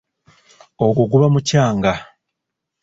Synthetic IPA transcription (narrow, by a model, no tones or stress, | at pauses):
oɡuɡuβamucaːŋɡa